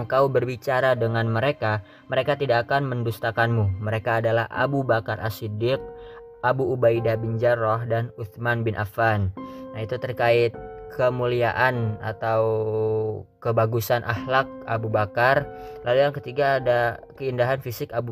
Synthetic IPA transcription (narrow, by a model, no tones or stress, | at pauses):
ŋkaubərbit͡ʃaɾadəŋanməɾeka | məɾekat̪idakːkanməndust̪akanmuməɾekaːdala̰hʔa̰bubakarʔa̰sidɪk̚ | ʔabuʔːbaidabiɲd͡ʒarɔɦdanut̪manbɪnʔa̰fannait̪ut̪ərkaɪt̪̚kʰəmuliaʔana̰t̪aw | kəbaɡusanʔa̰hlak̚a̰bubakarlʔalujaŋkət̪iɡaːdakəindaɦanfisɪkabu